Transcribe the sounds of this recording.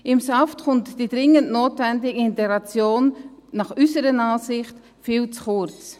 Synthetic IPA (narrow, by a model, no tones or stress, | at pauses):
ɪmsaftχʊntd̥idʁɪŋəntnoːtvɛndɪɡəɪntɛɡɾat͡sjoːnːɑχysəɾənaːsɪχt | fiːlt͡sχʊt͡s